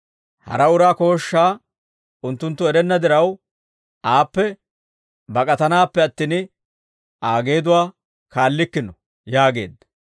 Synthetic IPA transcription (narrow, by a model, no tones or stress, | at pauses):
hɐ̰ɾɐʊɾaːko̞ːʃːaː | ʊnt̪ːʊnt̪ːʊɛɾɛnːɐd̪ɪɾɐw | ʔaːpːɛ | bɐkʼɐt̪ɐnaːpːɛɐt̪ːiːn | ʔaːɡe̞ːd̪ʊwaː | kaːlːɪkːɪnɔ | jaːɡe̞̰ːd̪ːɐ